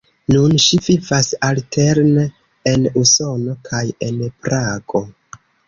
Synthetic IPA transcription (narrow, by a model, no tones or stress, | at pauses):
nunʃivivasalteɾne | enuso̞no̞kʰaje̞npɾaɡo̞